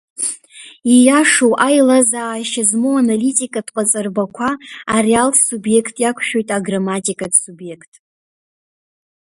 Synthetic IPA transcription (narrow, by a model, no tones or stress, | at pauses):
ijaʂowʔajlazaːjʃazmowanalitʼikʼadqʼat͡sʼɨrbakʷʰaːrialʰsubje̞kʰtʼjakʷʰʃᶣo̞jtʼaɡramatʼikʼadsubje̞kʰtʼ